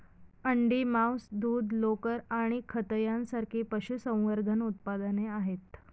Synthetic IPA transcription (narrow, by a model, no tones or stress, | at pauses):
əɳɖiːmawsd̪uːd̪ʱlokəɾaɽ̃ikʰət̪əjãnsaɾkʰiːpəɕusə̃w̃ʋəɾd̪ʱənut̪̚pad̪əneaɦet̪